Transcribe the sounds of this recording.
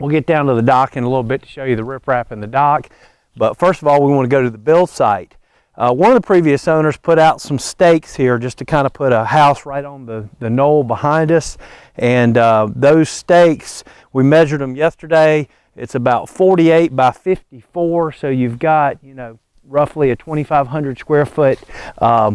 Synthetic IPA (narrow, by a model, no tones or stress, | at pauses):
wilˠɡɛt̚d̥ãʊ̃ntɨðɨdɑkɨ̃nəlɪɾl̩ˠbɪtʰɨ̥ʃoʊjɨðɨɹɪpʰɹæpɨ̃nðɨdɑk | b̥ʌtfɜ˞stʌvɔlˠwiwɑ̃nɨɡoʊɾɨðəbɪlˠsaɪt̚ | ʔʌwʌ̃nʌvðəpʰɹ̥iviɨsõʊ̃nə˞z̥pʰʊɾaʊtsʌ̃m̩steɪkshiɹd͡ʒʌstʰɨkʰãɪ̃ndəpʰʊɾəhaʊsɹaɪɾn̩ðɨðɨnoʊlˠbəhãɪ̃ndʌs | ʔɨ̃nʌðoʊz̥steɪks | wimɛʒə˞d̪ə̃mjɛstə˞deɪ | ɨtsɨbaʊtfɔɹɾieɪt̚b̥aɪfɪftifɔɹsoʊjʉvɡɑt̚jɨnoʊ | ɹʌfliɨtʰw̥ɛ̃ɾ̃ifaɪv̥ɦʌ̃ndɹɨd̥skwɛɹfʊt̚ʔʌ